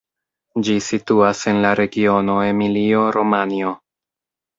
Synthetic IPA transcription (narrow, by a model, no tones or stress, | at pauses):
d͡ʒisituase̞nlaɾe̞ɡio̞no̞e̞milio̞ɾo̞manio̞